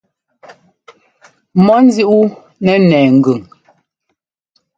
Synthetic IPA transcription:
mɔ˦n̩˦zi˦ʔu˦ | nɛ˨nɛː˨ŋ̩˨ɡʉ˨ŋ

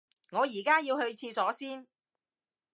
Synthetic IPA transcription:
ŋɔː˨˧jiː˨˩kaː˥jiː˧whɵ˧ɥt͡sʰiː˧sɔː˨˥siː˥n

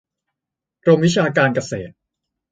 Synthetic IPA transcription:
ɾo˧mwi˦˥t͡ɕʰaː˧kaː˧nka˧sḛː˨˩t̪̚

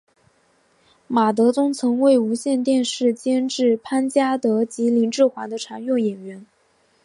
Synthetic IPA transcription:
ma˨˩t̪̬ɤ˧˥t͡sʊ˥ŋt͡sʰɤ˧˥ŋwe˥˩ɪu˧˥ɕjɛ˥˧nt̪jɛ˥˧nʂɻ̩˥˩t͡ɕjɛ˥nʈ͡ʂɻ̩˥˩pʰa˥nt͡ɕja˥t̪ɤ˧˥t͡ɕi˧˥li˧˥ŋʈ͡ʂɻ̩˥˩xwa˧˥nd̪ə˧ʈ͡ʂʰa˧˥njʊ˥˩ŋjɛ˨˩nɥɛ˧˥n

